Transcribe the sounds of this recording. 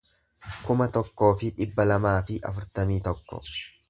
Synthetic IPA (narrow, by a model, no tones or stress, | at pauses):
kʊmɐt̪ɔkːo̞ːfɪᶑɪbːɐlɐmaːfɪʔɐ̰fʊɾt̪ɐmiːt̪ɔkːɔ̰